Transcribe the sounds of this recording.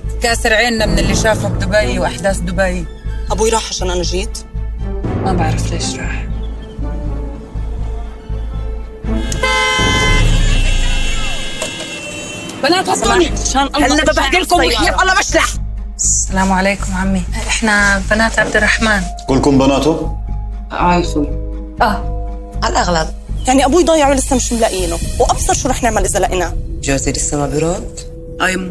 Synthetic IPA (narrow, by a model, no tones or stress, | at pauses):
kaːsɪɾʕeːnːamɪnɪlːiʃaːfab̚d̪ʊbajiwʔaħd̪aːsd̪ʊbajihabujɾˤɑːħʕaʃaːnʔanaʒiːt̪ | mabaʕɾɑfleːʃɾˤɑːħ | banaːt̪asˤniaʃaːnʔɑlːˤlːaabaħd̪ɪlkʊmjaʔɑlːɑbaʃlaħ | sːalaːmʕaleːkʊmʕamːiʔɪħnabanaːt̪ʕab̚d̪ɪrˤːɑħmaːnɡuːlkʊmbanaːt̪ʊ | ʔaxu | a | ʕalʔaɣlab̚jaʕniʔabuːjd̪ˤɑjːɪʕwɪlɪsːamɪʃɪmlaʔiːnʊwʔɑbsɑɾˤʃuɾˤɑːħnɪʕmalʔɪzalaʔɪnad͡ʒawziːlɪsːamaːbɪɾɑːt̪ | ʔaj